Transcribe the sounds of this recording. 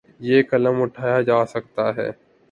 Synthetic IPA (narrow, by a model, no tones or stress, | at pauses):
jeːkɐləmʊʈʰaːjad͡ʒaːsɐk̚t̪aɦɛ̰ː